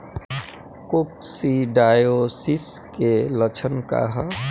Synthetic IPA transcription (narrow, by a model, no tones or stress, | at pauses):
koksiɖaːjosiskelət͡ʃʰənka̰ɦa